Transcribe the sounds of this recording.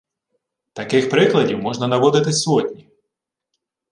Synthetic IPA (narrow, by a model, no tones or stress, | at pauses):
t̪ɐkɪxpɾɪklˠɐdʲiwmɔʒnɐnɐʋɔd̪ɪt̪ɪsɔtʲnʲi